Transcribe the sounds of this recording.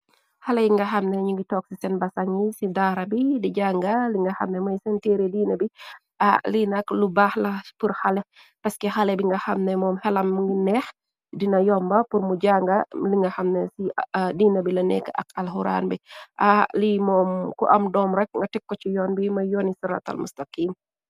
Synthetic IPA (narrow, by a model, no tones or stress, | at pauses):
hɐlɛjŋɡɐxɐmnɛɲuŋɡitɔːk̚sisɛnbɐsɐŋisidaːɾɐbidiɟaːŋɡɐliŋɡɐhɐ̰mnɛmɐjsɛnteːɾɛdiːnɐbi | ʔalinɐklubaːhlɐpuɾxalɛ | pɐskɛhalɛbiŋɡɐxɐmnɛmɔːmhɛlɐmŋɡinɛx | dinɐjɔmbɐpuɾmuɟaːŋɡɐliŋɡɐxɐmnɛsidiːnɐbilɐnɛ̰kːʔɐ̰kɐlɦuɾa̰ːnbiʔalimɔːmkuʔɐmdɔːmɾɛk̚ŋɡɐtɛkːɔt͡ʃijɔːnbimɐjɔːnisuɾa̰t̪ɐ̰lmṵst̪ɐqiːn